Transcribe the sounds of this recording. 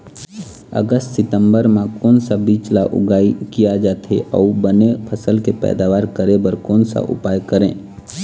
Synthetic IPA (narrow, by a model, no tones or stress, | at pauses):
ə̰ɡəstsɪt̪ə̃mbəɾmãkɔːnsabiːt͡ʃlaʔʊ̰ɡaːikijad͡ʒaːt̪ʰḛʔɔːubənepʰəsəlkepɛ̰ːd̪aːʋaːɾkəɾẽbəɾkɔːnsa̰ʔʊ̰paːjkəɾḛ̃ː